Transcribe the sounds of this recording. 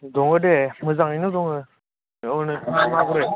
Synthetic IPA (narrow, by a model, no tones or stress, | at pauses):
dɔŋɯdemɯzaŋinɯdɔŋɯ | ɔnɯamaɡɯɾe